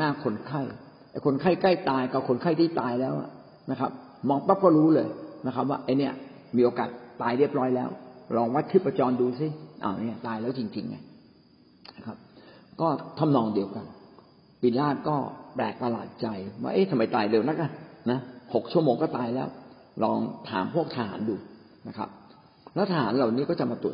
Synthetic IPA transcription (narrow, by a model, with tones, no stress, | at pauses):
naː˥˩kʰo˧nkʰa˥˩j | a˨˩kʰo˧nkʰa˥˩jka˥˩jt̪aː˧jka˧˩kʰo˧nkʰa˥˩jt̪ʰiː˥˩t̪aː˧jlɛː˦˥wʔa̰˨˩ | na˦˥kʰa˦˥p̚ | mɔː˧ŋpa˦˥˩p̚kɔː˥˩ɾuː˦˥lɤː˧jna˦˥kʰa˦˥p̚waː˥˩ʔa˧jni˦˥ɐ | miː˧ʔoː˧kaː˨˩t̪̚ːaː˧jɾi˥˩əp̚ɾɔː˦˥jlɛː˦˥wlɔː˧ŋwa˦˥t̪̚t̪ʰɯː˥˩pːɾa˧t͡ɕɔː˧nduː˧si˦˧˥ʔa̰˨˩wni˦˥˩ɐt̪aː˧jlɛː˦˥wt͡ɕi˧ŋt͡ɕḭ˧ŋːa̰˧j | nna˦˥˩kʰa˦˥p̚kɔː˥˩t̪ʰa˧˥˩mnɔː˧ŋdi˧əwka˧n | piː˨˧˩nlaː˥˩t̪̚kɔː˥˩plɛ̰ː˨˩k̚pa˧la̰ː˨˩t̪̚t͡ɕa˧jwa̰ː˥˩ʔeː˦˥˩sʰa˧ma˨˦jt̪aː˨˩jle˨˦wna˦˥k̚ʔa˧˩na˦˥ho˨˩k̚t͡ɕʰu˥˩əmoː˧ŋkɔː˥˩t̪aː˧jlɛː˦˥w | lɔː˧ŋt̪ʰa̰ː˩˦mpʰu˥˩ək̚t̪ʰaː˧ha̰ː˩˦nduː˧ | na˦˥kʰa̰˦˥p̚ | lɛː˦˥t̪ʰaː˧haː˩˦nla˨˩wniː˦˥kɔː˥˩t͡ɕa˨˩maː˧t̪u˨˩ə